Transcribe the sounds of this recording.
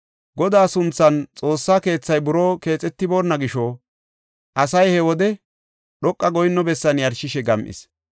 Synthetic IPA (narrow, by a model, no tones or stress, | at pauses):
ɡɔd̪aːsʊnt͡sːɐnt͡sʼo̞ːsːaːke̞ːt͡sːɐjbʊɾo̞ːke̞ːt͡sʼɛt̪ːɪbo̞ːnːɐɡɪʃɔ | ʔɐsɐjhɛwɔd̪ɛ | ɗɔkʼːɐɡɔjɪnːɔbɛsːɐnjɐɾʃɪʃɛɡɐmʔɪ̰s